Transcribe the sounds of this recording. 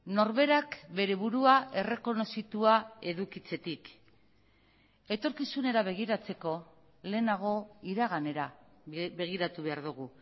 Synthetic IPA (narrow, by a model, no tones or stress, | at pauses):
no̞ɾβe̞ɾakbe̞ɾe̞βuɾuaʔe̞re̞ko̞no̞sit̪uae̞ðukit͡se̞t̪ik | e̞t̪o̞ɾkisune̞ɾaβ̞e̞ɣ̞iɾat͡se̞ko̞ | le̞ːnaɣ̞o̞iɾaɣ̞ane̞ɾa | be̞ɣ̞iɾat̪uβe̞aɾðuɣ̞u